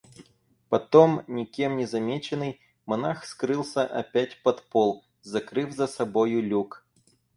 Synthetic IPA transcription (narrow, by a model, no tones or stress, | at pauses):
pɐt̪omnʲɪkʲe̞mnʲɪzɐmʲet͡ɕɪnɨj | mɐnaxskɾɨlˠsʲəʔɐpʲætʲpɐt̪polˠ | zɐkɾɨvzəsɐbojʊlʲuk